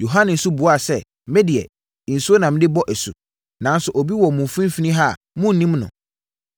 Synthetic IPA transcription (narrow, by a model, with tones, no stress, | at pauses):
jo˨ɦã˦nɪ̃˨n̩˦su˦bʊ˨˦a˨sɛ˦˨ | mɛ˦dɪ˨ɛ̰˨ | n̩˨su˦o˦nã˨m˦dɪ˦bɔ˦ʔɛ˨sṵ˨ | nã˨˦n˦sʊ˨ʔo˨bi˦wɔ˨mũ˨fũ˦m̩˦fi˦nĩ˦ɦa˦˨ | mʊ̃˦n˨nĩ˦mnʊ̰̃˨